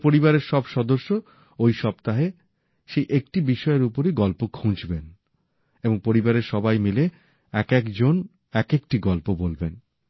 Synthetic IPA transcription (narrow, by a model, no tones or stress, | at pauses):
poɾibaɾeɾʃɔbʃɔd̪oʃːo | ojʃɔp̚t̪aɦe | ʃejʔek̚ʈibiʃɔeɾupoɾiɡɔlpokʰũd͡ʑben | eboŋpoɾibaɾeɾʃɔbajmile | ɛkɛkd͡ʑon | ɛkek̚ʈiɡɔlpobolben